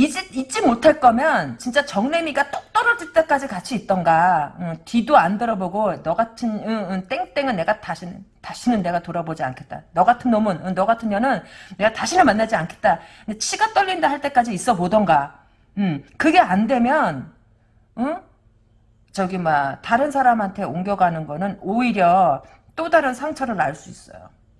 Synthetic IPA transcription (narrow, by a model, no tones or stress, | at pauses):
id͡ʑeit͡ɕ͈imotʰaɭk͈ʌmjʌnt͡ɕint͡ɕ͈at͡ɕʌŋne̞miɡat͈ok̚t͈ʌɾʌd͡ʑiɭt͈e̞k͈ad͡ʑikat͡ɕʰiːt̚t͈ʌnɡaɯtidoandɯɾʌboɡonʌɡatʰɯnɯɯnt͈eŋt͈e̞ŋɯnːe̞ɡataɕʰintaɕʰinɯnːe̞ɡatoɾʌbod͡ʑia̰nkʰe̞t̚t͈anʌɡatʰɯnːʌmɯnɯnːʌɡatʰɯnjʌnɯnːe̞ɡataɕʰinɯɭmanːad͡ʑiankʰe̞t̚t͈a | ndet͡ɕʰiɡat͈ʌʎːindeɦaɭt͈e̞k͈ad͡ʑiːs͈ʌbodʌnɡa | ɯmkɯɡe̞andwe̞mjʌn | ɯ | t͡ɕʌɡimataɾɯnsʰaɾamɦantʰe̞oŋɡjʌɡanɯnɡʌnɯnoiɾjʌ | t͈odaɾɯnsʰaŋt͡ɕʰʌɾɯɾaɭs͈uis͈ʌ̰jo̰